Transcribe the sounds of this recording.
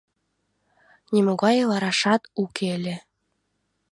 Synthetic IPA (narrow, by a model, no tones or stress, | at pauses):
nʲimoɣɑjɤlɑɾɑʃɑt̪ukʰelʲĕ